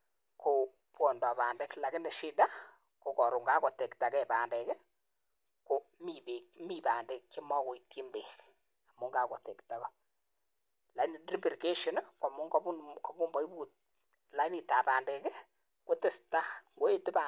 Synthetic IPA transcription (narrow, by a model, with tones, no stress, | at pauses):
ko˨ | pwɔ˨ndɔ˨paː˨ndɛ˨kla˨kɪ˦nɛ˨ʃi˦da˦ | ko˨kɔ˨ɾu˨ŋɡa˦kɔ˨te˨kta˨kɛ˦˨paː˨ndɛ˨kɪ˦ | ko˨mi˨be˨kmi˦˨pa˨nde˨kt͡ʃe˦mɔ˦ko˨iti˦mbe˨k | a˨mu˦ŋɡa˨kɔ˨te˨kta˨kɔ˦ | la˨˦ni˨ri˦bi˨ɾi˨ke˦ʃɔ˨n˦ka˨mʊ˦ŋɡɔ˦pu˦nkɔ˨ku˦mbɔ˦i˦buː˦t̚ | la˨˦i˦ni˨ta˨paː˨ndɛ˨kɪ˦ | ko˦tɪ˦sta˦ŋɡo˦e˦tɪ˦pa